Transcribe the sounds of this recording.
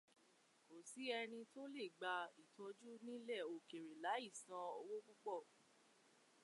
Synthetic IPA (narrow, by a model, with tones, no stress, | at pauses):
ko˨si˨˦ɛ˧ɾ̃ĩ˧to˦le˦˨ɡ͡ba˧i˨tʰɔ˨˦d͡ʒu˦nĩ˦lɛ˦˨o˨ke˨ɾe˨la˨˦i˦˨sã˧o˧wo˦ɡ͡bu˦ɡ͡bɔ˦˨